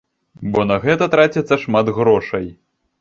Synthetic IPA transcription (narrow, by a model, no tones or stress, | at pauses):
bɔnɐɣɛt̪ɐt̪ɾat͡sʲɛt̪sːɐʂmad̪ɣɾɔʂɐj